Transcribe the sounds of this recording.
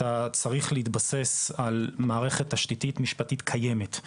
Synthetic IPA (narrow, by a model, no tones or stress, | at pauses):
at͡saʁiχleitbase̞salmaːʁe̞χe̞taʃtititmiʃpatitkʰaje̞me̞t